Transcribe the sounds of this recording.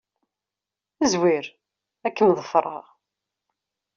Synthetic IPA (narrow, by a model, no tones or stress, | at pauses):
əzwiɾ | ækːəmðˤəfɾˤɑ̰ʁ